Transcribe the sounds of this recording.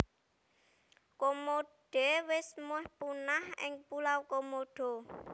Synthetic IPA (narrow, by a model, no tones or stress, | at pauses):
komoɖ̥ewɪsmʊhpunahɪ̰ŋpulawkomoɖ̥o̤